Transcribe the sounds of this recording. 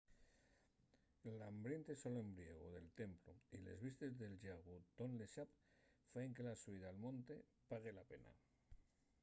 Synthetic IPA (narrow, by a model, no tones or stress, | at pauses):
lambɾent̪esolembɾieɣ̞oðelt̪empluilḛzβist̪ezðelʒaɣut̪onleʃap̚faeŋkelasuiðaːlmõnt̪e | paɣelapena̰